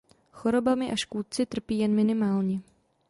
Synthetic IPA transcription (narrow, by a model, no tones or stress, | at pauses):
xoɾo̞bamɪʔaʃkuːt̪̚t͡sɪt̪r̩piːjɛnmɪnɪmaːlɲɛ